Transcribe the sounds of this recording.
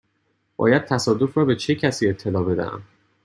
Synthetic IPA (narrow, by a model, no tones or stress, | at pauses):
b̥ɒ̰ːjæd̪̥̚t̪ʰæsɒːd̪ofɾɒːbe̞t͡ʃʰe̞cʰæsiːe̞t̪ʰːe̞lɒːbe̞d̪æ̰ʔæ̰m